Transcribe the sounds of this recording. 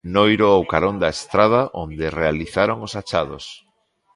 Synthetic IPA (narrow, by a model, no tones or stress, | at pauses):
nojɾoawkaɾond̪aest̪ɾaðaʔond̪erealiθaɾoŋosat͡ʃaðos